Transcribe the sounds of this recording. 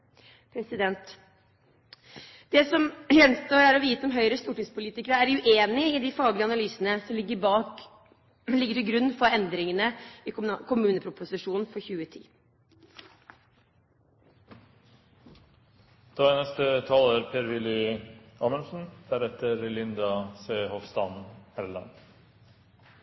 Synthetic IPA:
pʰɾɛsɪd̪ɛnt̪ | d̪̥ɛsɔmjɛnst̪oːɾæɾɔʋiːt̪əɔmɦœʏɾəst̪uːʈɪŋspʊliːt̪ɪkəɾəæɾʉʔeːnɪɪd̪ɪfɑːɡlɪəɑnɑlyːsənəsɔmlɪɡːəɾbɑːk | lɪɡːəʈɪlɡɾʉnːfɔɾɛnd̪ɾɪŋənəɪkʰʊmʉːnəpʰɾʊpʊsɪʂuːnn̩fɔɾçʉːət̪ʰḭː | d̪̥ɑːɛnɛst̪ət̪ʰɑːləːɾpʰeːɾʋɪlɪɑːmənsn̩d̪̥æɾɛt̪əɾlɪnd̪ɑseːhɔfst̪ɑnhɛɾlɑ̰n

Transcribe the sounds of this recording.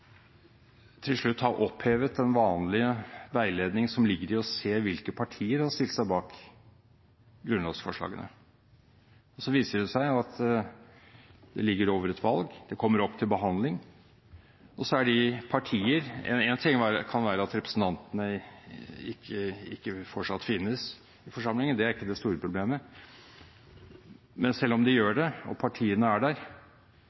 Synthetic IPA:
t̪ʰɪlʂɭʉt̪ːhɑɾʔɔpheːʋət̪ɛnʋɑːnlɪəʋæɪleːd̪nɪŋsɔmlɪɡːəɾɪɔseːʋɪlkəpʰɑʈʰiːəɾhɑst̪ɪlt̪sæɪbɑːk | ɡɾʉnlɑːɡsfɔʂɭɑ̰ːɡənʔə̰ | ɔsɔʋiːsəɖɛsæɪɑt̪ | d̪ɛ̰lɪɡːəɾoːʋəɾɛt̪ʰʋɑlɡd̪̥ɛkʰɔmːəɾɔpːt̪ʰɪlbəɦɑnd̪lɪŋ | ɔsɔæɖɪpʰɑʈʰiːəɾɛ̰nɛnt̪ʰɪŋːʋæɾəkʰɑnʋæːɾəɑt̪ɾɛpɾəsn̩t̪ʰɑnt̪ənə | ɪkʰːəɪkːəfɔʈʂɑt̪ːfɪnːəs | ɪfɔʂɑmlɪŋənd̪ɛæɾɪkːəd̪ɛst̪uːɾəpʰɾʊbleːmə | mɛnsɛlːɔmd̪ɪjøːɖɛɔ̰pʰɑʈʰiːənəæɖæːɾ

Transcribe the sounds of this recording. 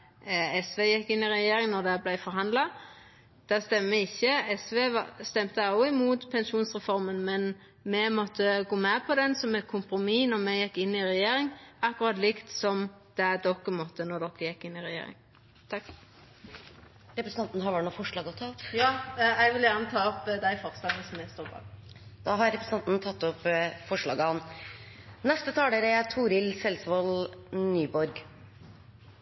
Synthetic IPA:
ɛsʋeːjɛkːɪnːɪɾɛjeːɾɪŋnɔd̪ɛblæɪfɔɾɦɑnd̪lɑ | d̪̥ɛst̪ɛmːəəɪçːəɛsʋeːʋɑst̪ɛmt̪əɑʊɪmuːt̪pʰɛnʃuːnsʁɛfɔɾmənmɛn | mɛmɔt̪ʰːəɡoːmɛpʰɔd̪ɛnsɔmɛt̪̚kʰʊmpɾʊmiːnɔɾmɛjɛkːɪnːɪɾɛjeːɾɪŋɑkːʊɾɑt̪lɪkt̪sɔm | d̪̥ɛd̪ɔkːəmɔt̪ːənɔɾd̪ɔkːəjɛkːɪnːɪɾɛjḛːɾɪ̰ŋ | t̪ʰɑkː | ɾɛpɾəsənɑnt̪nəhɑɾʋæʈɳnuːfɔʂɭɑːɡɔt̪ʰɑːɔpjɑːɛɪɡʋɪljæʁnət̪ʰɑːɔpd̪æɪfɔʁslɑːɡnəsɔmɛst̪uːʁbɑ̰ːɡ | d̪̥ɑːɦɑɾɛpɾɛsnɑnt̪nt̪ʰɑt̪ːɔpːfɔʂɭɑ̰ːɡəhɑn | nɛst̪ət̪ʰɑːd̪əɾɛt̪ʰuːɾɪlsɛlsʋɑlnyːbɔɾɡ

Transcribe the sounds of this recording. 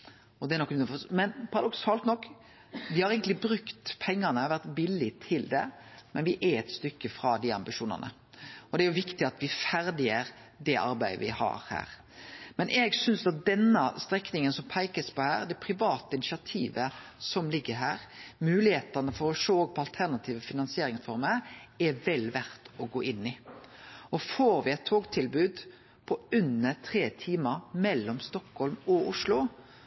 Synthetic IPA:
ɔd̪ɛɾnɔkːnfɔmɛnpʰɑɾɑd̪ɔksɑːlt̪nɔkː | ʋɪhɑɾeɪɡənɪbɾʉkt̪pʰɛŋːɑnəɑʋæɾt̪bɪlːɪt̪ʰɪld̪ɛ̰mɛnʋɪʔɛɛt̪st̪ʏkːəfɾɑd̪iɑ̰mbɪʃuːnɑ̰nə̰ | ɔd̪ɛæɾjʊʋɪkt̪ɪɑt̪ʋɪfæɾd̪ɪəɾd̪ɛʔɑ̰ɾbæɪə̰ʋɪhɑ̰ɾhæ̰ːɾ | mɛnʔɛɡsʏnsɑt̪̚d̪ɛnːəst̪ɾɛknɪŋənsɔmpʰæɪkəspɔhæ̰ːɾd̪ɛpʰɾɪʋɑːt̪əɪnɪʃɪɑt̪ʰiːʋəsɔmlɪɡːəɾɦæ̰ːɾmʉːlɪheːt̪ɑnəfɔɾɔʂoːoːɡ̚pʰɔɑlt̪ʰæʁnɑt̪ʰiːʋəfɪnɑnsɪeːɾɪŋsfɔɾməɛʋɛlʋæɾt̪ɔɡoːʔɪnːɪ | ɔfoːɾʋɪɛɪt̪ʰːoːɡt̪ʰɪlbʉːd̪ | pʰɔʉnːəɾt̪ʰʁeːt̪ʰiːməɾmɛlːɔmst̪ɔkhɔlmɔʊʂlʊ

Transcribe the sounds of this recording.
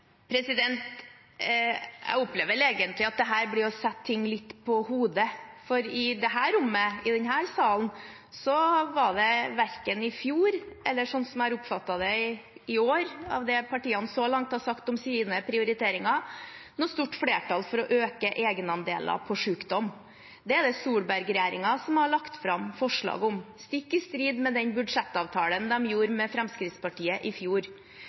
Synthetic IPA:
pʰɾɛsɪd̪ɛnt̪ | æ̰ɪɔpleːʋəɾeːɡənt̪lɪɑt̪̚d̪ɛɦæːɾblɪɔsɛt̪ʰːɪŋːlɪt̪ːpʰɔhuːd̪əfɔɾɪd̪ɛɦæːɾʊmːəɪd̪ɛnhæːɾsɑːln | sɔʋɑɖɛʋæɾkənɪfjuːɾɛlːəʂɔnːsɔmhɑɾʊpfɑt̪ːɑd̪ɛ | ɪoːɾɑ̰ʋd̪ɛpʰɑʈiːɑnsɔlɑŋt̪hɑsɑkt̪ɔmsiːnəpʰɾɪʊɾɪt̪ʰeːɾɪŋɑnɔst̪uʈːfɽeːʈɑlfɔɾɔʔøːkəʔeːɡənɑnd̪ḛːlɑ̰pʰɔʂʉːkd̪ɔm | d̪ɛɛd̪ɛsuːɭbæɾɡɾɛjeːɾɪ̰ŋɑsɔmhɑɭɑkt̪fɾɑmfɔʂɭɑ̰ːɡəʊmst̪ɪkːəst̪ɾiːd̪mɛd̪ɛnbʉd̪ʂɛt̪ːɑːʋt̪ʰɑːlənd̪ɛmjuːɾmɛfɾɛmskɾɪt̪spɑʈʰiːəʔɪfjuːɾ

